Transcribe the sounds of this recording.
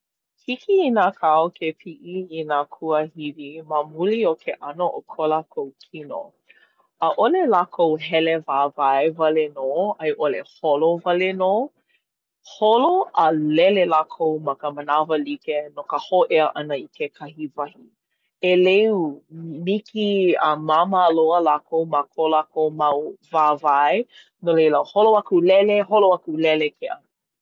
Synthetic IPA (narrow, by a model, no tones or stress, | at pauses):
hikiinakʰaokʰepʰiʔiinakʰuəhiviməmuliokʰeʔɐnoʔokʰolakʰowkʰino̰ | ʔəʔolelakʰowɦɛlevaːvaevɐlenoɐjʔoleholovɐleno | holoʔəlɛlelakʰowmɐkəmənavəlikenokəhoʔeəʔɐnəikʰekʰɐhivɐhi | eleumikʰiəmamaloəlakʰowmakʰolakowmawvaːvaj | nolejləholoakulɛleɦoloakulɛlekʰeʔə